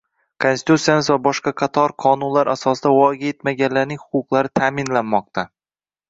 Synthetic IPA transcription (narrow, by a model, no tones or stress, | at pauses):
kʰonsɪ̥t̪ut̪sijamɪzvabɒʃqɑqʰɑt̪ʰɒɾqʰɒnʊnlaɾasɒsɪd̪avɒɡʲaet̪maɡʲanlaɾnɪŋhʊqʊqlˠaɾɪt̪ʰaːmɪnlanmɒq̚t̪ʰa